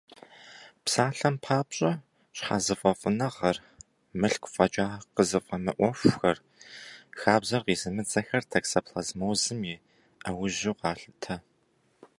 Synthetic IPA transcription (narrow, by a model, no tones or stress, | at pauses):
psaːɬɐmpʰaːpɕʼɐ | ɕħa̰ːzɨfʼɐfʼɨnɐʁɐr | mɨɬkʷʊfʼɐt͡ʃʼaːqəzɨfʼɐmɨʔʷɔfʷxɐr | xaːbzɐrqiːzɨmɨd͡zʼɐxɐrtʰɐksɐpɬɐzmɐwzɨmji | ɐwʊʑɪqɑːɬɨtʰɐ